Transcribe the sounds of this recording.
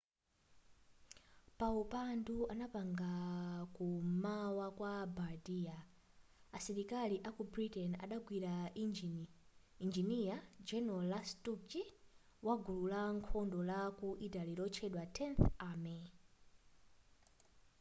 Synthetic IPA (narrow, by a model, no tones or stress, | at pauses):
paupanduanapaŋɡakumawakwabadiaː | siɾikaliʔakubɾitɛna̰ɗaɡwiɾa | ind͡ʒiniad͡ʒɛnɔlastuki | waɡululaŋkʰɔndɔlakuʔitaliɾɔt͡ʃʰɛɗwatʰɛnθamɛ